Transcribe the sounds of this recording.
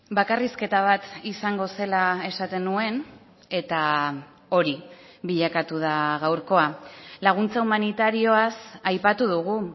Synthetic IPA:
bakariske̞t̪aβ̞at̪isaŋɡo̞se̞lae̞sat̪e̞nue̞n | e̞t̪a | o̞ɾi | βiʎakat̪uð̞aɣawɾko̞alaɣ̞unt͡saumanit̪aɾio̞asajpat̪uðuɣu

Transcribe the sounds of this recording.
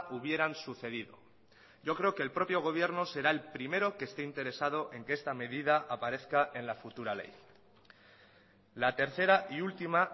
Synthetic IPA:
uβ̞je̞ɾansuθe̞ð̞iðo̞̰ | ɟ͡ʝo̞kɾe̞okeːlpɾo̞pjo̞ɣ̞o̞β̞je̞ɾno̞se̞ɾae̞lpɾime̞ɾo̞kest̪eint̪e̞ɾe̞sað̞oʔe̞ŋkeest̪ame̞ðið̞aʔapaɾe̞θkaʔe̞nlafut̪uɾale̞̰j | lat̪e̞ɾθe̞ɾaʔiult̪ima

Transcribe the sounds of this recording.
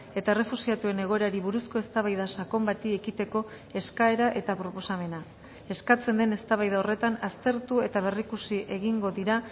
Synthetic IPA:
e̞t̪aere̞fusiat̪ue̞ne̞ɣ̞o̞e̞ɾaɾiβ̞uɾusko̞e̞st̪aβajð̞asako̞mbat̪iekit̪e̞ko̞ | e̞skae̞ɾaʔe̞t̪apɾo̞po̞same̞na | e̞skat͡se̞nd̪e̞ne̞st̪aβajð̞aore̞t̪anast̪e̞ɾt̪ue̞t̪aβ̞e̞rikusiʔe̞ɣiŋɡo̞ðiɾa

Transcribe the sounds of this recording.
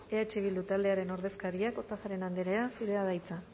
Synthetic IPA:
eat͡ʃiβild̪ut̪ald̪e̞aɾe̞no̞ɾðe̞skaɾiako̞t̪afaɾe̞nand̪eɾeasuɾe̞að̞ajt͡sa

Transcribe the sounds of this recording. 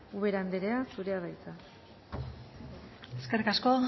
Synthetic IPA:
uβe̞ɾand̪eɾe̞asuɾe̞aβajt͡s̪a | eske̞rikasko

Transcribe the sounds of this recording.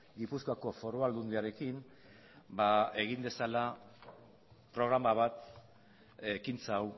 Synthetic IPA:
ɡipuskoako̞fo̞ɾoald̪und̪eaɾe̞kim | bae̞ɣ̞ind̪e̞sala | pɾo̞ɣ̞ɾamaβat̪ | ekint͡saw

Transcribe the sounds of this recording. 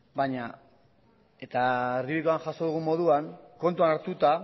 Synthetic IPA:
baɲa | e̞t̪ariβikoanʝasoðuɣ̞umːo̞ðuaŋko̞nt̪̬uanaɾt̪ut̪a

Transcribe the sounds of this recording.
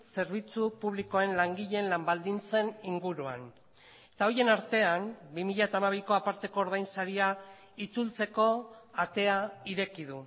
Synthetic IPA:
se̞ɾβ̞it͡supuβ̞liko̞e̞nlaŋɡiʎe̞nlambald̪int͡se̞niŋɡuɾua̰n | et̪aoje̞naɾt̪e̞ambimiʎat̪amaβ̞iko̞apaɾt̪e̞ko̞ːɾðajnsaɾia | it͡sult͡se̞ko̞at̪e̞aiɾe̞kið̞u

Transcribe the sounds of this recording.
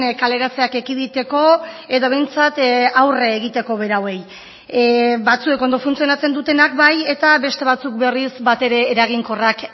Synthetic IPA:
kale̞ɾat͡se̞ake̞kiðit̪e̞ko̞e̞ðoβe̞jnt͡sat̪awreːɣit̪e̞ko̞β̞e̞ɾawe̞j | bat͡sue̞ko̞nd̪o̞funt͡sio̞nat͡se̞nd̪ut̪e̞nakbaje̞t̪aβe̞st̪e̞β̞at͡sukbe̞risbat̪e̞ɾe̞ːɾaɣ̞iŋko̞rak

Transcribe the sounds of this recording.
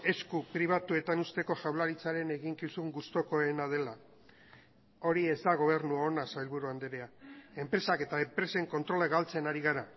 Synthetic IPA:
e̞skupɾiβ̞at̪ue̞t̪anust̪e̞ko̞ʝawlaɾit͡saɾe̞ne̞ɣiŋkisuŋɡust̪o̞ko̞enað̞e̞la | o̞ɾie̞zd̪aɣ̞o̞β̞e̞ɾnuaonasajlβuɾuand̪eɾeae̞mpɾe̞sake̞t̪aempɾe̞se̞ŋko̞nt̪ɾo̞leɣalt͡se̞naɾiɣ̞aɾa

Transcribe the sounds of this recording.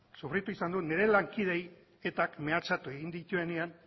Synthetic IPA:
sufɾit̪uisand̪une̞ɾe̞laŋkið̞e̞j | e̞t̪akme̞at͡sat̪ue̞ɣind̪it̪ue̞nean

